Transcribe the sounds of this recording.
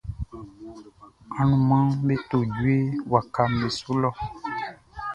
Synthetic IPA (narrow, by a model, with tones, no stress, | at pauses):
a˨nũ˨mã˦ŋbe˦t̪o˨d͡ʒu˦e˦wa˨ka˦mbe˨su˦lɔ˦